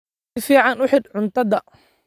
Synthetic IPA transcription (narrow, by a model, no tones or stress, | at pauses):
ɪfiːʕɑnʊħɪd̪ʕʊnt̪ʰɐðɐ